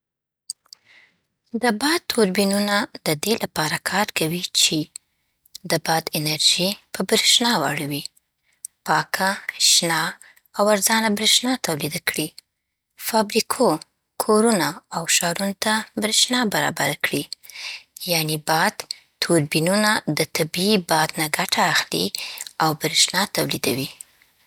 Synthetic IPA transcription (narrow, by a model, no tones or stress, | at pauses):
d̪əbɑd̪̚t̪ʰoɾbinunad̪̥əd̪elapɑɾakʰɑɾkawit͡ʃe | d̪əbɑd̪ɪnaɾʒipəbɾeʃnɑwa̰ɽawi | pɑkʰaʃnɑ | awaɾzɑnabɾeʃnɑt̪awlid̪akɽi | fɑbɾikʰo | kʰoɾunaːwʃɑɾunot̪abɾeʃnɑbaɾɑ̰baɾakɽi | janibɑd̪ | t̪ʰoɾbinunad̪ət̪abiibɑd̪naɡaʈʰaːxlḭawbɾeʃnɑt̪awlid̪awi